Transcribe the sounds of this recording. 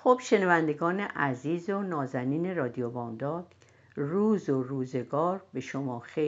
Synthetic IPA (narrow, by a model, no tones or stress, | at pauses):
xob̥ʃe̞nævænd̪e̞ɡɒːne̞ʔæziːzonɒːzæniːne̞ɾɒːd̪ijobɒːmd̪ɒːd̪̥ | ruːzoruːze̞ɡɒːɾbe̞ʃomɒːxe